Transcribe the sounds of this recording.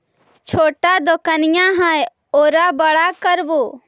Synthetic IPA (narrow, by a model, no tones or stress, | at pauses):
t͡ʃʰoːʈad̪okənɪjãɦaj | oːɾabəɽakəɾbuː